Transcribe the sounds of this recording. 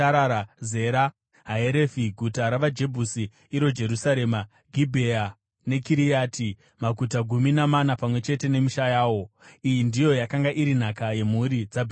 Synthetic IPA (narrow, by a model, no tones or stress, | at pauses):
aɾaɾaze̞ɾa | ɦaeɾefiɡʱutaɾaʋad͡ʒe̞bʱusiː | ɾo̞d͡ʒe̞ɾusaɾe̞ːma | ɡʱibʱeja | ne̞kiɾijaːti | maɡʱutaɡʱuminamanapamwe̞t͡ʃe̞te̞ne̞miʃajaːwo̞ijindijo̞jakaŋɡaʔiɾin̤akaje̞muɾid͡zabʱ